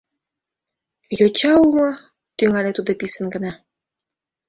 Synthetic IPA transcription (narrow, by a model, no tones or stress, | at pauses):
jot͡ɕɑulˠmɤ̆ | t̪yŋælʲet̪ud̪ŏpisə̆nɡə̆nɑ